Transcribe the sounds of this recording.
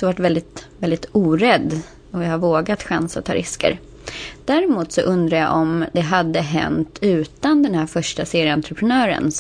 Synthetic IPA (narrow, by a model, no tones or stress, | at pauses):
sɔvaʈvɛld̪ɪt̪vɛlɪt̪uːɾɛd̪ː | ɔjahaɾvoːɡat̪ɧansat̪ʰːɑ̰ːɾɪskə̰ɾ | d̪̥æɾɪmuːt̪sɔ̰ʔɵnd̪ɾaja̰ʔɔmd̪ɛɦad̪ːəɦɛ̰nt̪ʰʉ̟ːt̪and̪ɛnhæːɾfœʂʈaseːɾɪəant̪ɾəpʰɾənœːɾə̰n